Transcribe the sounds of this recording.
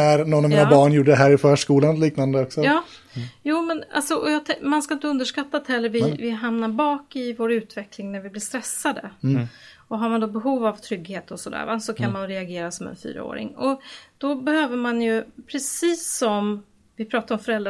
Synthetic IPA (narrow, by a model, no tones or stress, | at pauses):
æɾnɔnːavmiːnabɑːɳjuːɖːəɦæːɾɪfœːʂkuːlanliːknand̪əɔksɔɑː | juːmɛna̰lsɔʔɔjɑːt̪ʰɛmanskaɪnt̪əɵnd̪əʂkat̪ːat̪hɛlːəɾvɪvɪɦamnabɑːkɪvoːɾʉ̟ːt̪vɛklɪŋnæɾvɪblɪʂst̪ɾɛsːad̪ə | ɔɦaɾmand̪ɔbɛɦuːvavt̪ʰɾʏɡheːt̪ɔsɔd̪æ̰ːɾvasɔkʰanmanɾɛaɡeːɾasɔmɛ̰nfy̰ːɾa̰o̰ːɾɪ̰ŋɔd̪̥ɔbɛhøːvəɾmanjɵpʰɾɛsiːsɔm | vɪpʰɾɑːt̪aɾɔmfœɾɛld̪ɾa